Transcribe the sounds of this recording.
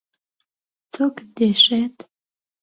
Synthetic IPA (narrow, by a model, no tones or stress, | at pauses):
t͡sʰʼokd̪eʃet̪ʰ